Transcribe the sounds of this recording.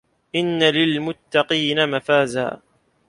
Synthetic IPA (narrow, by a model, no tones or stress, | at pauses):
ʔɪnːalɪlmʊt̪ːɑqiːnamafaːza̰ː